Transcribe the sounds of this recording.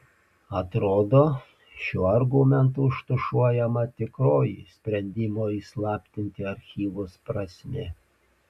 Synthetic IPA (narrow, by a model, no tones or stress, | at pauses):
ɐt̪ɾoːd̪oː | ʃʲuːɐɾɡʊmʲɛnt̪uɪʃt̪ʊʃuɔjɛmɐt̪ʲɪkɾoːjḭsʲpʲɾʲɛnʲd̪ʲɪmoːiːslˠɑːpʲt̪ʲɪnʲt̪ʲɪɐɾʲxʲiːʋʊspɾɐsʲmʲɪ